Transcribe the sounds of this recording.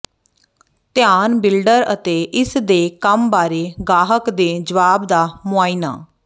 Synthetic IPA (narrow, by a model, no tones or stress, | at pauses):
t̪ɪjaːnbɪlɖəɾət̪eːʔɪsd̪eːkəmbaːɾeːɡaːɦəkd̪eːd͡ʒəʋaːbd̪aːmʊaːiːna̰ː